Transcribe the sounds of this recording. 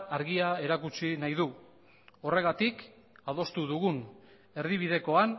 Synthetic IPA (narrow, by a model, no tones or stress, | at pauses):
aɾɣiae̞ɾakut͡ʃinajðu | o̞re̞ɣ̞at̪ik | aðo̞st̪uðuɣun | e̞ɾðiβ̞iðe̞ko̞an